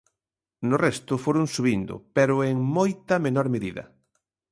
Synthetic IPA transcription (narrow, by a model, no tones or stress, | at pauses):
norɛst̪ʊfoɾʊŋsuβind̪ʊ̰peɾʊeŋmojt̪ɐmenɔɾmeðiðɐ̰